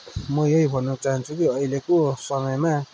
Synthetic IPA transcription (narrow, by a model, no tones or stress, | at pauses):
mʌjʌjbʱʌnːʌt͡saɦʌnt͡sʰukiʌilekosʌmʌjma